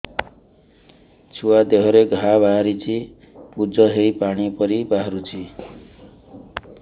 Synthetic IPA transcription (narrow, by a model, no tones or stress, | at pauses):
t͡sʰuwad̪eɦʌɾeɡʱabʱaɾit͡sʰi | pud͡zʌɦejpaɽ̃ipʌɾibaɦɾut͡sʰi